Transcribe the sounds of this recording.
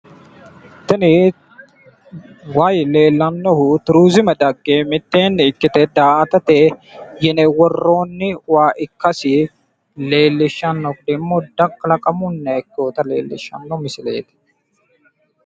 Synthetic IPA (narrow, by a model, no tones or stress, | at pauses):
t̪ɐnɪ | waːjle̞ːlːɐnːɔhʊt̪ʊɾuːzɪmɐd̪ɐɡːeːmɪt̪ːe̞ːnːɪːkːɪt̪ɛd̪aːɐt̪ɐt̪ejɛnɛwɔrːo̞ːnːɪwaːʔɪkːɐsɪ | le̞ːlːɪʃːɐnːɔkd̪ɛmːɔd̪ɐkːlɐkʼɐmʊnːɐɛkːoːt̪ɐle̞̰ːlːɪ̰ʃːɐ̰nːɔmɪsɪle̞̰ːt̪ɪ̥